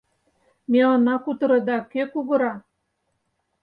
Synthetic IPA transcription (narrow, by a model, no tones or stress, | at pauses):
meonɑkut̪ɤ̆ɾɤ̆d̪ɑkøkuɣɤ̆ɾɑ